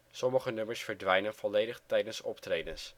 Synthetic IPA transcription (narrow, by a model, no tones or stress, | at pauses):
sɔməχənɵməɹsfəɹdʋɛjnənvɔlejdəχtɛjdənsɔptrejdəns